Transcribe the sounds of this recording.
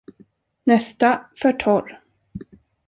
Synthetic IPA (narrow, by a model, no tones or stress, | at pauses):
nɛst̪afœʈʰɔɾ